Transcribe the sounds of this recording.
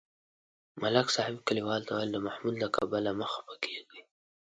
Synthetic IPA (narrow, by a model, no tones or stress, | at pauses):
malaksɑhɪb̚kəliwɑlt̪awald̪əmahmud̪lakʰabalaməxḁpəkʰeɡi